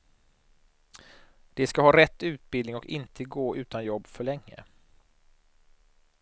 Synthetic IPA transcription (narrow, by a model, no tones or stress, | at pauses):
d̪̥ɛskahɑːɾɛt̪ːʉ̟ːt̪̚bɪd̪nɪŋɔkɪ̰nt̪ʰəɡoːʔʉ̟ːt̪anjɔbːfœɭɛŋːə̰